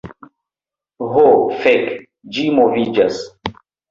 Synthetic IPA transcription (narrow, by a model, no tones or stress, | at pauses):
ɦofek | d͡ʒimovid͡ʒɐs